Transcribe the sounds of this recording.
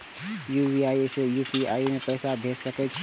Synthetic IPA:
juːbiaːisejuːpia̰ːimẽpɛːsab̪ʱeːsɐkɛt͡ʃʰ

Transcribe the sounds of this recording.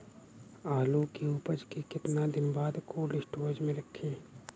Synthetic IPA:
aːlukeupəd͡ʒkekɪt̪nad̪ɪnbaːd̪kʰoːlɪsʈoːd͡ʒmẽɾɐkʰːeː

